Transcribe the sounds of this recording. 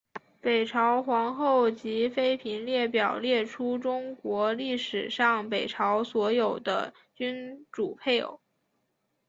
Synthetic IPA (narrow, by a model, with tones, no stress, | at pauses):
pe˨˩ɪʈ͡ʂʰɑ˧˥ʊxwɑ˧˥ŋxo˥˩ʊt͡ɕi˧˥fe˥ɪpʰi˧˥nljɛ˥˩pjɑ˨˩ʊljɛ˥˩ʈ͡ʂʰu˥ʈ͡ʂʊ˥ŋkwɔ˧˥li˥˩ʂɻ̩˨˩ʂɑ˥˩ŋpe˨˩ɪʈ͡ʂʰɑ˧˥ʊswɔ˧˥jo˨˩ʊd̪ə̰˦ | t͡ɕy˥nʈ͡ʂu˨˩pʰe˥˩ɪo̰˨˩˦